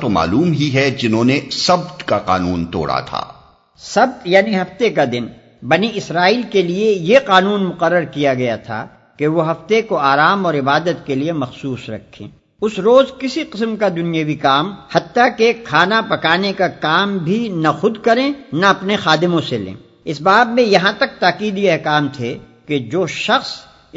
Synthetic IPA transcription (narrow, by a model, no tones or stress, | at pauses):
t̪oma̰ːluːmɦiɦɛd͡ʒɪnɦõnesɐb̚t̪kaqa̰ːnuːnt̪o̰ːɽa̰t̪ʰa̰ː | sɐb̚t̪jaːniɦɐft̪ekad̪ɪn | bɐniɪsɾaːiːlkeliejeqaːnuːnmʊqəɾːəɾkijaɡɐjat̪ʰa̰ | keʋoɦɐft̪ekoaːɾaːmɔːɾɪbaːd̪ət̪keliemɐxsuːsɾɐ̰kʰːḛ̃ː | ʊsɾoːzkɪsiqɪsmkad̪ʊnijawikaːmhɐt̪ːakekʰaːnapɐkaːnekakaːmbʱinɐxʊd̪kɐɾẽːnɐɐpnexaːd̪ɪmõselḛ̃ː | ɪsbaːbmẽjɐɦãt̪ɐk̚t̪aːqiːd̪iɐɦkaːmt̪ʰe | ked͡ʒoːʃɐxs